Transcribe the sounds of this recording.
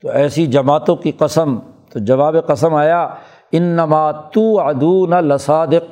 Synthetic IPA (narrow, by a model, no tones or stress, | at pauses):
t̪oɛːsid͡ʒɐmaːt̪õkiqɐsəmt̪od͡ʒɐʋaːbeqɐsəmaːjaː | ɪnːɐmaːt̪uːʕad̪uːnɐlɪsaːd̪ɪq̚